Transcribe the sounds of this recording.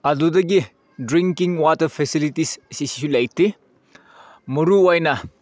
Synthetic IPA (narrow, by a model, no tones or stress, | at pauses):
ɐdudɐɡi | dɾiŋkiŋwatɐɾpʰesilitissisi̥sulɐjti | muɾuojnɐ